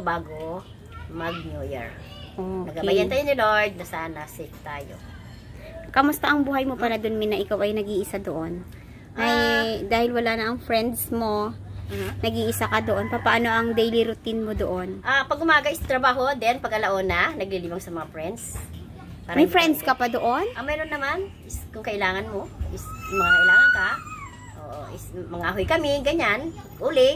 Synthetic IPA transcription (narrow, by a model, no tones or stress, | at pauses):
baːɡo | mɐɡ̚nujɛ̰ɹ | ʔokɐɡabɐjɐnaːjonɪloɹd̪̚nɐsaːnɐsɪkt̪aːjo̰ | kɐmʊspɐʔɐŋbuːhɐjmo̞pɐlad̪onmɪnɐʔɪkawʔɐjnɐɡiːʔɪsad̪oʔon | ʔɐjd̪aːhɪlwɐlanɐʔɐŋfɹɛnd̪smo̞ | nɐɡiːʔɪsakɐd̪oʔo̞npɐpaːno̞ʔɐŋd̪ɛjliɾʊt̪ɪnmo̞d̪oʔonʔapɐɡʊmaːɡɐʔɪst̪ɾɐbaːɦo̞d̪ɛnpɐɡ̚kɐlɐʔoːnɐnɐɡ̚liliːbɐŋsɐmɐŋafɹɛnd̪s | paːɾmɐjfɾɛnd̪skɐpad̪oʔonʔɐmɛːɾonːɐman | ɪskʊŋkɐʔɪlaːŋɐnmo̞ʔɪsmɐŋaʔʊlaka | ʔo̰ːʔoʔɪsmɐŋaːɦojkɐmɪɡɐɲan | ʔuːlɪ